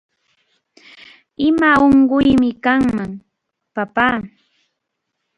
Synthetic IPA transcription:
ɪmaoɴɢʊjmɪkaŋmaŋ | papaː

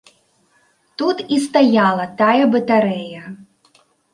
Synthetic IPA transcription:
t̪ut̪ist̪ajalˠɐt̪ajɐbɐt̪aɾɛjɐ

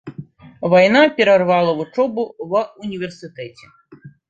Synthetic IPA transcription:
vajnapʲɛɾɐrvalˠɐvut͡ʂɔbuvunʲivʲɛrsɨt̪ɛt͡sʲɛ̥

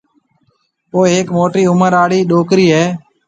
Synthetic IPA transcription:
poːɦeːkmoːʈiːʊməɾaːɽiːɗoːkɾiːɦɛː

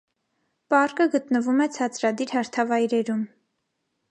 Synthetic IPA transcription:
pɑrkəɡət̪nəvumɛt͡sʰɑt͡sɾɑd̪iɾhɑɾt̪ʰɑvɑjɾɛɾum

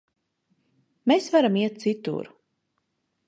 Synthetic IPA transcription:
mesvaɾamiɛt̪̚t̪sit̪ṵɾu

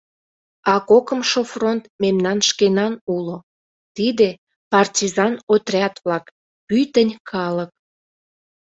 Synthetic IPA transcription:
ɑkokəmʃofront̪memnɑnʃkenɑnulo | t̪id̪e | pɑrtʲizɑnot̪rʲɑt̪βlɑk | pyt̪ənʲkʰɑlək̚

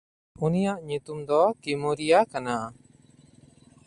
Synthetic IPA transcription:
unijaʔɲut̪umd̪ɔkimuɾijakana

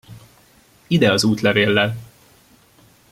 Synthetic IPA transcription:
id̪ɛɒzuːt̪lɛveːlːɛl

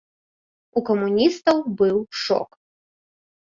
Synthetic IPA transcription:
ukɐmunʲist̪ɐwbɨwʂɔ̰k

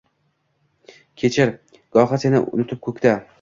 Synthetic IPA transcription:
kʲʰe̞t͡ʃʰɪɾ | ɡ̥ɒχasenɪʔʊ̰nɪt̪ʰɪp̚kʰɵkʲt̪ʰa

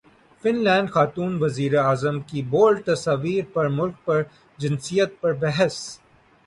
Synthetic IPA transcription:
fɪnlɛ̃ːɳɖxaːt̪uːnʋɐziːɾeaːzəmkiboːlɖ̚t̪ɐsaːʋiːɾpɐɾmʊlk̚pɐɾ | d͡ʒɪ̃nsijət̪̚pɐɾbɛɦɛs

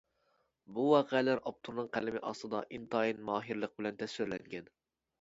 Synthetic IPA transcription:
buwɑːqʰɛlæɾɑp̚t̪ʰuɾnɨŋqʰælɪmɪʔɑ̰st̪ɨd̪ɑʔint̪ɑinmɑːɦiɾlˠəq̚bɪlɛnt̪ʰɛsølɛŋɡʲɛn

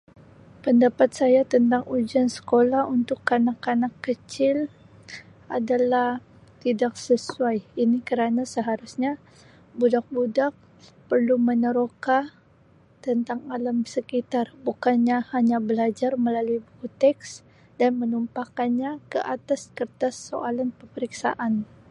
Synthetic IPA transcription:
pəndapat̪̚sajat̪ənt̪aŋud͡ʒansə̥kolahunt̪ʊkːanakanakːət͡ʃɪl | adalah | t̪idak̚səsuajinikəɾanasəɦaɾusɲa | budak̚budak̚ | pərlumənəɾoka | t̪ənt̪aŋalamsəkit̪arbukanɲahaɲabəlad͡ʒarməlaluibukut̪ɛks | danmənumpakanɲakəʔat̪askərt̪asːo̰ʔalanpəməɾiksa̰ʔan

